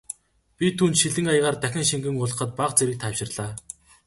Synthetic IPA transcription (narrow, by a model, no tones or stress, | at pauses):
pʲit̪ʰuːnt̪ʃiɮɘ̆ŋajʁaːrt̪æxʲɪ̆ŋʃiŋɡɘ̆ŋʊɮ̆χə̆t̪̚paqt͡seɾɘ̆k̚t̪ʰaːwʃɪ̆rɮaː